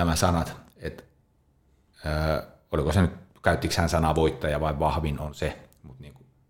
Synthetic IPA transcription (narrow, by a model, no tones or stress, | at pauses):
æmæsɑnɑt̪et̪ | əː | olikosenyt̪kæyt̪ːikshænsɑnɑʋoit̪ːɑjɑʋɑˑiʋʋɑhʋinonse | mut̪niːŋku